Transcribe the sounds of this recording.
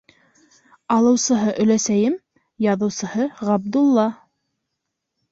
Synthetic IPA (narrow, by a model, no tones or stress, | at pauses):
ɑlˠɤ̆wsɤ̆ɦɤʔɵ̆læsæjɘm | jɑðɤ̆wsɤ̆hɤʁɑb̚d̪ulˠːɑ